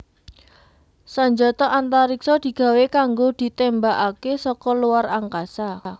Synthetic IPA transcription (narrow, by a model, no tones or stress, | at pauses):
saɲd͡ʒɔt̪ɔʔant̪aɾiksɔd̪̥i̤ɡ̥a̤wekaŋɡod̪̥i̤t̪embaʔakesɔkɔluwaraŋkasa